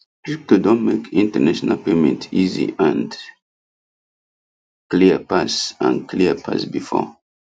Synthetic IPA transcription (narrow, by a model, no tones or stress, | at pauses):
tɹip̚todɔ̃nmekʰĩntənaʃɔnalpemɛ̃ntizḭãnd | kliəpasã̰nkliəpʰa̰sbifɔ̰